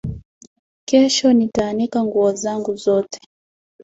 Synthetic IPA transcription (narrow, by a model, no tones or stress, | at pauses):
kɛʃɔnitaːnikaŋɡuɔzaŋɡuzɔtɛ̥